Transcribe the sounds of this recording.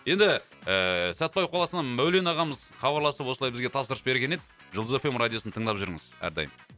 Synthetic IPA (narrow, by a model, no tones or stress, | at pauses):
je̞nd̪ɪ | əsæt̪̚bɑj̚qʰolˠɑsənɑmæwlenɑʁɑməzχɑbɑɾlˠɑsəpwo̞səlˠɑjbɪzɡʲe̞t̪ʰɑpsəɾəsbe̞ɾɡʲene̞d̪ɪ | ʒəlˠəzefemrad̪josnət̪ʰəɴd̪ɑpʒʏɾŋɪz̥æ̰ɾd̪ɑ̰jəm